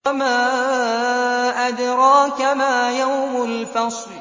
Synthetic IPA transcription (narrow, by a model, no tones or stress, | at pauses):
maː | ʔad̪ɾˤɑːkamaːjawmʊlfɑsˤ